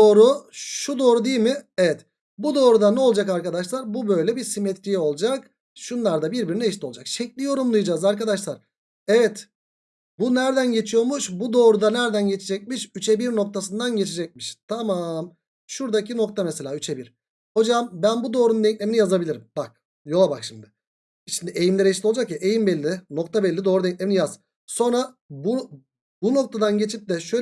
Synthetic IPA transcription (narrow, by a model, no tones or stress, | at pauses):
oːɾuʃud̪o̞ːɾud̪ejilʲmɪevɛt̪ | bud̪o̞ːɾud̪anɛo̞lˠd͡ʒakaɾkad̪aʃlˠaɾbubø̞jlʲɛbiɾsimet̪ɾijo̞lˠd͡ʒak | ʃunlˠaɾd̪abiɾbiɾinɛʃt̪ʲolˠd͡ʒakʃɛclʲijo̞ɾumlˠujd͡ʒaːzaɾkad̪aʃlˠaɾ̥ | evɛt̪ | bunæɾd̪ænɟe̞t͡ʃʰijo̞ɾmuʃbud̪o̞ːɾud̪anæɾd̪ænɟet͡ʃʰed͡ʒɛc̚miʃyt͡ʃʰebiɾno̞k̚t̪ʰasɯnd̪anɟe̞t͡ʃʰed͡ʒɛc̚miʃt̪ʰamam | ʃuɾd̪acʰino̞k̚t̪ʰameselʲaːyt͡ʃʰebiɾ̥ | ho̞d͡ʒambænbud̪o̞ːɾund̪ɛɲclʲeminijazabilʲiɾimbak̚ | jo̞lˠabakʃimd̪ɪ | ʃimd̪ie̞jimlʲɛɾeʃt̪olˠd͡ʒakjaʔejimbɛlʲːɪno̞kt̪ʰabɛlʲːid̪o̞ːɾud̪eɲc̚ʲlʲeminijaz̥ | so̞nɾabu | buno̞k̚t̪ʰad̪anɟe̞t͡ʃʰip̚d̪ɛʃø